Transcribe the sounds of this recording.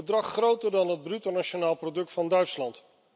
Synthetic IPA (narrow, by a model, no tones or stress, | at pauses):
ədrɑχːrowtəɹdɑnɦəd̚brytonat͡ʃonaːlˠprowdɵk̚tfɑndœɥtslɑnt